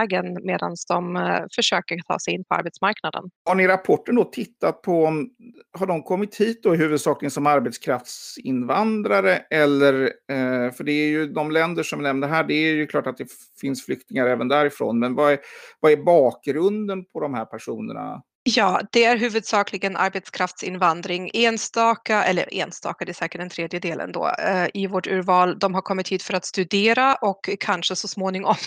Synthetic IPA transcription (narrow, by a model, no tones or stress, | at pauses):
ɡənmeːd̪a̰nsd̪ɔmfœʂøːkəɾt̪ʰɑ̰ːsɛjɪnpʰɔa̰ɾbɛt̪smaɾknad̪ə̰nhaɳɪɾapʰɔʈːəɳd̪ɔt̪ʰɪt̪ːat̪̚pʰɔmɦaɖɔmkʰɔmːɪt̪hiːt̪̚d̪ɔɪɦʉ̟ːvɵd̪sɑːklɪɡənsɔmaɾbɛt̪skʰɾaft̪sɪnvand̪ɾaɾəɛlːəɾ | fœɖɛːɾjɵd̪ɔmlɛnd̪əʂɔmvɪnɛmnəɾɦæːɖɛæjɵkʰlɑːʈat̪̚d̪ɛ | fɪnsflʏk̚t̪ɪŋaɾɛːvənd̪æɾɪfɾo̰ːnmɛnvavaɛɾbɑːk̚ɡɾɵnd̪ənpʰɔd̪ɔmhæːɾpʰæʂuːnə̰ɳa̰ | jɑːd̪̥ɛæɾɦʉ̟ːvɵd̪sɑːklɪɡənʔa̰ɾbɛt̪skʰɾaft̪sɪ̰nvand̪ɾɪŋeːnst̪ɑːkaʔɛ̰lːə̰ɾʔḛːnst̪ɑ̰ːkad̪ɛæsɛːɾkəʈd̪ɛnt̪ʰɾeːd̪jəd̪eːlə̰nd̪o̰ːʔɪvoːʈʉ̟ːɾvɑːld̪ɔmɦaɾkʰɔmːɪt̪hiːd̪̥fœɾat̪st̪ɵd̪eːɾaʔɔkʰːanʂəsɔsmoːnɪŋɔm